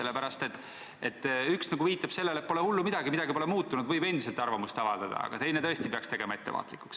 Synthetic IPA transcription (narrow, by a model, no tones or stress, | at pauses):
se̞lːepæɾɑst̪e̞t̪ːˑ | et̪ːˑyksnɑɡuviːt̪ːˑɑb̥se̞lːelepo̞lehulːumid̪̥ɑɡimid̪ɑɡipo̞lemuːt̪ːˑunud̪̥vɯjbe̞nd̪ise̞lt̪ˑɑrvɑmust̪ɑvɑd̪ɑd̪̥ɑ̰ɑ̰ɡ̥ɑ̰t̪e̞jne̞t̪ɤ̞esʲt̪ipeɑkst̪e̞ɡ̥e̞mɑe̞t̪ːe̞vɑ̰ːt̪ˑlikːˑu̥ks